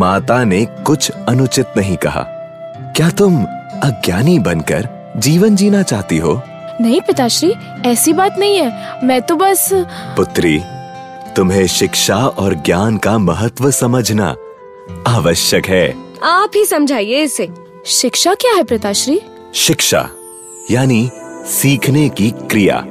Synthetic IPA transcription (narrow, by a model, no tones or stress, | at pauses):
maːt̪anekʊt͡ʃʰɐnʊt͡ʃɪt̪nɐɦĩkɐɦa̰ː | kjaːt̪ʊmɐɡjaːnibɐnkɐ̰ɾ | d͡ʒiːʋənd͡ʒiːnat͡ʃaːɦt̪iɦoː | nɐɦĩpɪt̪aːʃɾiː | ɛːsibaːt̪nɐɦĩɦɛːmɛ̃ːt̪obɐspʊt̪ɾiː | t̪ʊmɦẽʃɪkʃaɔːɾɡjaːnkamɐɦət̪wəsɐməd͡ʒʱna̰ | aːʋəʃjəkɦɛː | aːpɦisɐ̃md͡ʒʱaːieɪse | ʃɪkʃakjaːɦɛpɾɪt̪aʃɾiː | ʃɪkʃa̰ | jaːnisiːkʰnekikɾɪja̰ː